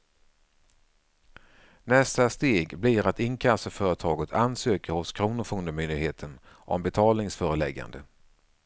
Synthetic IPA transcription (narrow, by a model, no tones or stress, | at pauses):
nɛst̪ast̪eːɡblɪɾat̪ɪnkʰasəfœːɾət̪ʰɑːɡət̪ʰansøːkəɾhʊskʰɾuːnʊɾfɵŋd̪əmʏnd̪ɪɡheːt̪ʰən | ʔɔ̰mbɛt̪ʰɑːlnɪŋsfœːɾəlɛ̰ɡːa̰nd̪ə